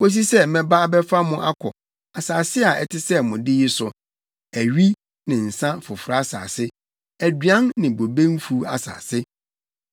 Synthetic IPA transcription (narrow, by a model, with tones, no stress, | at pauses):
o˦s̬i˦sɛ˦mɛ̃˨ba˦bɛ˦fa˦mʊ̃˦ʔa˦kʰɔ̰˨ | a˨saː˨sɪ˦a˨ɛ̰˨tʰɪ˦sɛ˦mʊ̃˨dɪ˦jɪ˦sʊ˨ | æ˨ɥi˦ | nɪ̃˨n̩˨sã˦fʊ˨fʊ˨ɾa˨a˦sa̰ː˨sɪ˦ | æ˨dɥã˦nːɪ̃˨bo˨bẽ˦n˦fu˦a̰˨sa̰ː˨sɪ˦